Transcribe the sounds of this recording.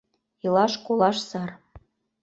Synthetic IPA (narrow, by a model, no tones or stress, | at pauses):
ilɑʃkolˠɑʃsɑr